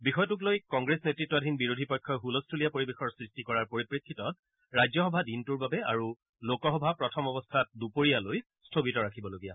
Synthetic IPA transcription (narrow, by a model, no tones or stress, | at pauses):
bixɔjɔtʊk̬lojkɔŋɡɹesnetɹitːɔadʱinbiɹodʱipɔjkʰːɔɦulɔstʰulijapoɹibexɔɹsɹistikɔɹaɹpoɹipɹikʰːitɔt̚ | ɹajzɔxɔbʱadintuɹbabɛaɹu | lokɔxɔbʱapɹɔtʰɔmɔbɔstʰat̚dupoɹijaloj | stʰobitɔɹakʰibɔloɡija̰